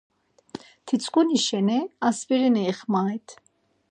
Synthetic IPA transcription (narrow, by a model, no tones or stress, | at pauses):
t̪ʰit͡sʼkʼuniʃɛnɛaspiɾɛnɛːχmaːjt̪ʰ